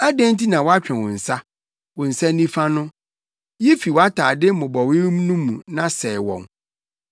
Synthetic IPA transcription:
a˦dɛ̃˦n˦tʰi˦nã˨wɔ˦a˦t͡ɕᶣɛ̃˨wʊ̃˨n̩˨sa˦ | wʊ̃˨n̩˨sa˦nĩ˦fa˦nʊ̃˦ | je˦fi˨wɔ˨˦a˦tʰaː˨dɪ˦mʊ̃˨bɔ˨we˦m˦nũ˦mṵ̃˨nã˦sɛ˨wɔ̰̃˨n

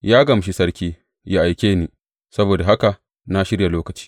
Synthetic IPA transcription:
jaː˦ɡɐ˨m˨ʃi˦sɐ˦ɾkʲiː˦ | ja˦ʔa˨jkʲeː˦niː˨ | sɐ˦boː˨da˨ɦa˦ka˨ | na˦ʃɪ˦ja˨loː˦kɐ˨t͡ʃi̥ː˦

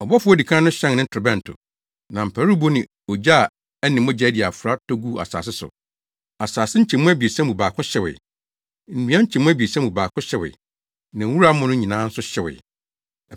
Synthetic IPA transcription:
ɔ˨bɔ˦fʊ˦ɔ˦di˨kʰã˦nʊ̃˦ɕɛ̃˦ŋnɪ̃˦tʰɛ˨bɛ̃˦˨n˨tʰʊ̰˨ | nã˨m̩˨pʰæ˨˦ɾu˦bo˦nɪ̃˨ | ɔ˨d͡ʑa˦˨ | ɛ˦nɪ̃˨mʊ̃˦d͡ʑɛ˦di˨a˨fʊ˨ɾa˦tʰo˦ɡu˦a̰˨sa̰ː˨s̬ɪ˦sʊ̰˨ | a˨saː˨sɪ˦ɲ̩˦t͡ɕʰɛ̃˨mʊ̃˦æ˦bi˨e˨sã˦mũ˨baː˨kʰʊ̃˦ɕɛ˨wɪ̰˨ | m̩˨nĩ˦ã˦ɲ̩˦t͡ɕʰɛ̃˨mʊ̃˦æ˦bi˨e˨sã˦bũ˨baː˨kʰʊ̃˦ɕɛ˨wɪ̰˨ | nã˨˦wu˦ɾa˦mʊ̃˦nʊ̃˦ɲĩ˨nãː˦n̩˦sʊ˦ɕɛ˨wɪ̰˨

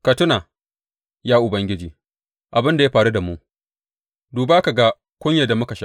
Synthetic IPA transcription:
kɐ˨tʊ˦naː˨ | jaː˦ʔʊ˨bɐ˦ŋɡʲɪ˦d͡ʒiː˨ | ʔa˨bɪ˦nda˨ja˦ɸaː˨ɾu˦da˨mu˦ʔ | duː˨baː˦ka˨ɡa˦ | kʷʊ˦ɲja˨da˨mʊ˦ka˨ʃa˦

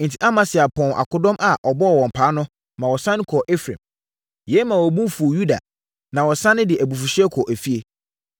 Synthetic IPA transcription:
n̩˨tʰi˦ʔa˦mã˨sɪ˨a˨pʰɔ̃˨nʔa̰˨kʰʊ˨dɔ̃˦mʔa˨ʔɔ˨bɔ˦ɔ˨wɔ̃˨m̩˨pʰaː˨˦nʊ̃˦ | mã˨wɔ˨sã˦ñ˦kʰɔ˨ʔe˦fɾḛ̃˨m | jɛ˦mã˨wɔ˨bũ˦fu˨ju˦da̰˨ | nã˨wɔ˨sã˦nɪ̃˦dɪ˨ʔæ˨bu˨fu˨ɕɪ˦ɛ˦kʰɔ˨ʔæ˨fi˦e˦

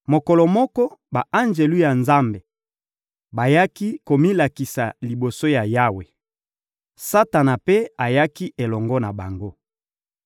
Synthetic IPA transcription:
mo˨kɔ˨lɔ˨mɔ˦kɔ˦ba˨ʔa˦nd͡ʒe˨lu˦ja˨nza˦mbe˨ | ba˨ja˦ki˦ko˨mi˦la˨ki˨sa˨li˨bo˨so˦ja˨ja˦we˨ | sa˦ta˨na˨pe˦a˨ja˦ki˦ʔe˨lɔ˨ŋɡɔ˦na˨ba˨ŋɡo˦

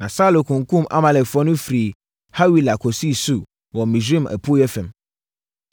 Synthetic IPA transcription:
nã˨saː˦lo˨kʰũ˨ŋ˦kũ˦ma̰˦mã˨lɛ˨kfɔ˦nʊ̃˦fɾi˨ | ha˦wi˨la˨kʰɔ˨si˦su˦ | wɔ˨mĩ˨z̬i˦mʔɛ̰˨pʰu˦jɛ˦fɛ̃˨m

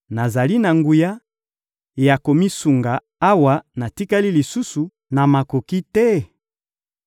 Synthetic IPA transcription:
na˨za˨li˦na˨ŋɡu˨ja˦ | ja˨ko˨mi˦su˨ŋɡa˨ | a˦wa˦na˨ti˦ka˦li˦li˨su˦su˨ | na˨ma˨ko˨ki˦tɛ˦

